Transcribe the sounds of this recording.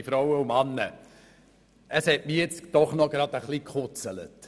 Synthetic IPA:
ifɾawəumɑnːə | əshɛtmijɪt͡sd̥ɔχnɔɡɾɑd̥̪əχlikχʊt͡sələ̰t

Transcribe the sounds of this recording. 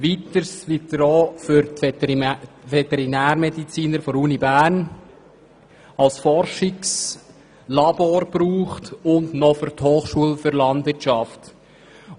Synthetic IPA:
ʋit̪əɾsʋid̪ɾɔːfʏɾt | ʋɛt̪ɛɾinæːɾmɛdit͡siːnəɾfɔɾuːnibæːɾn | ɑlsfɔɾʃɪks | lɑb̥oːɾb̥ɾuːχtʊndnɔfʏɾthoːχʃuəlfʏɾlɑndvɪtʃɑft

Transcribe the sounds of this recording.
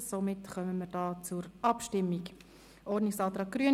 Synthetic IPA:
somɪtχœməməːd̥ɑːt͡suɾɑpʃtɪmːik | ʔɔɾnɪksɑːt̪ɾɑːk̚ɡ̥ɾyə

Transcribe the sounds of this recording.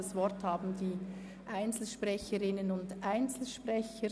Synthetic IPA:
asvɔɾthaːbm̩diː | ʔaɪnt͡sl̩ʃpʁɛçəɾɪnənʊndʔaɪnt͡sl̩ʃpʁɛçə

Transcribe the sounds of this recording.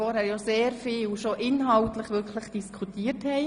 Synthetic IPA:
ɔɾhæːɾjɑːseːɾfiːwʃoʔɪnɦɑltləχʋʏkʰləχd̥iskʰutiːəthɛɪ

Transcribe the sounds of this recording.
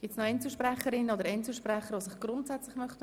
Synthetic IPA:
ɡ̥ɪp̚tsnoɛnt͡sl̩ʃprɛχəɾɪnːəod̪əɾɛnt͡ssl̩ʃprɛχəɾʋosɪχɡ̥rʊntsɛt͡slɪχmœχtə

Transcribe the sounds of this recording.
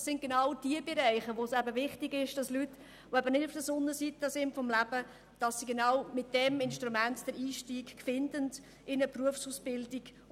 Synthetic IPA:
sɪnɡ̥enɑwd̥iəbeɾɛɪχəʋosæbəvɪχtɪɡɪʃd̥ɑslyt | oɛbənɪdʊfd̥əsʊnːəsitəsɪntfɔmlæbə | d̥ɑsːiɡenɑwmɪt̚d̥ɛmɪnʃtɾumɛntd̥əɾiːʃtiːkkfɪndənd | ɪnəpruəfsusb̥ɪldiɡ

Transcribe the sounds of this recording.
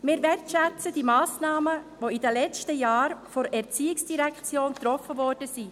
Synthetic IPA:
mɪːɾʋɛrtʃɛt͡səd̥imɑːsnɑːməʋoidəlɛt͡stəjɑːɾfɔɾɛɾt͡siːɪksd̥iɾɛkʰt͡sjoːnt̪ɾɔfəvɔːɾd̥əsi

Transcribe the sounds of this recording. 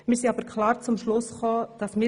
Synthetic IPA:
mɪːɾsiɑbəɾkʰlɑːɾt͡sʊmʃlʊsχoːd̥ɑsmɪː

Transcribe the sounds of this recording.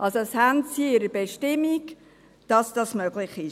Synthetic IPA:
ʔɑlsoɛshæntsiɪɾəb̥ɛʃtɪmːik | d̥ɑsd̥ɑsmœɡ̥lɪχɪ

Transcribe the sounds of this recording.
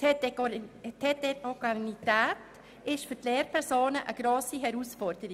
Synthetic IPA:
tʰeteoɡanit̪ɛːt | ɪʃfʏɾtleːɾpʰɛɾsoːnəʔəɡ̥ɾoːsiɦɛɾuːsfɔɾdəɾi

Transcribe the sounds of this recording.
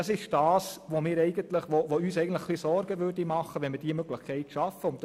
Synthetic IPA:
ɑsɪʃd̥ɑːsʋomɪːɾɛɪɡəntləχʋoʋoyːsɛɪɡəntləχlisɔɾɡ̥əʋʏɾdimɑχəʋɛnmɪɾd̥iːəmøɡləχkʰɛɪtʃɑfəʊnt̚d

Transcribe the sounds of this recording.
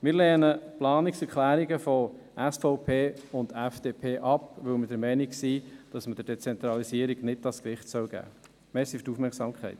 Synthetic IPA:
mɪːɾlɛːnəplɑːniksɛɾkχlæːɾiɡəfɔ | ʔæsfɔʊpʰeːʊndɛfd̥eːpʰeːʔɑpʋɵwmədəɾmɛɪniksid̥ɑsməd̥əɾd̥ɛt͡sɛnt̪ɾɑlisiəɾiɡ̥nɪtːɑskɾɪχtsœwɡ̥æ̰ː | meːsiftufmɛɾkχsɑːmkʰχɛ̰ɪt

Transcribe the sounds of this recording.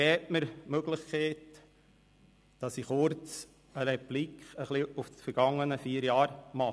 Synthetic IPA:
ɛːtməɾmøɡlɪχkeːt | d̥ɑsiχʊɾt͡s | əɾɛplikχəχliuffəɾɡ̥ɑŋːənəfiːəɾjɑːɾmɑ

